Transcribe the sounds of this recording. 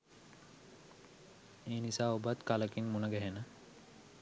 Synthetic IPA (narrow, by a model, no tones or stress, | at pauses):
eːnisaːobat̪kaləkinmunəɡæɦenə